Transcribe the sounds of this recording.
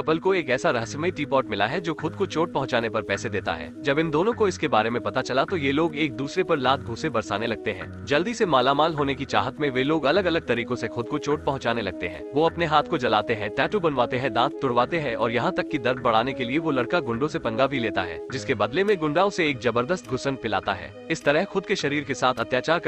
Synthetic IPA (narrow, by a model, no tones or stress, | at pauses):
kɐpəlkoeːkɛːsaɾɐɦəsəməiʈiːpɔːʈmɪla̰ɦɛd͡ʒoːxʊd̪̚kot͡ʃoːʈ̚pɐɦʊ̃t͡ʃaːnepɐɾpɛːsed̪eːt̪a̰ɦɛ̰ːd͡ʒɐbɪ̃nd̪oːnõkoɪskebaːɾemẽpɐt̪at͡ʃɐlat̪ojeloːɡeːk̚d̪uːsɾepɐɾlaːt̪̚ʰɡʱʊːsebɐɾsa̰ːnelɐɡ̚t̪eɦɛ̰̃ː | d͡ʒɐld̪isemaːlamaːlɦoːnekit͡ʃa̰ːɦət̪mẽʋeloːɡɐləɡɐləɡ̚t̪ɐɾiːkõsexʊd̪̚kot͡ʃoːʈ̚pɐɦʊ̃t͡ʃaːnelɐɡ̚t̪eɦɛ̰̃ːʋoɐpneɦaːt̪ʰkod͡ʒɐlaːt̪eɦɛ̃ʈɛːʈobɐnʋaːt̪eɦɛ̃d̪ãːt̪̚t̪ːʊɽʋaːt̪eɦɛ̃ɔ̰ːɾjɐɦãt̪ɐkːid̪ɐɾd̪̚bɐɽ̤aːnekelieʋolɐɽkaɡʊ̃ɳɖõsepɐ̃ŋɡabʱileːt̪a̰ɦɛ̰ːd͡ʒɪskebəːd̪lemẽɡʊ̃ɳɖaːõseːkzɐbəɾd̪əst̪̚ɡʱʊsənpɪla̰ːt̪aɦɛ̰ː | ɪst̪ɐɾəɦxʊd̪keʃɐɾiːɾkesaːt̪ʰɐt̪jaːt͡ʃaːɾ